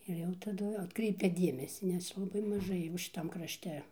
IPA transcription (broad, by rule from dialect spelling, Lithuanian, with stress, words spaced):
ɪr ˈjɛʊ tɐˈdʊ ɐtˈkrʲɛɪpʲɛ ˈdʲiɛmʲɛsʲiː nʲɛs lˠɐˈbɐɪ mɐˈʒɐɪ jɛʊ ʃʲɪˈtɐm krɐʃʲˈtʲɛ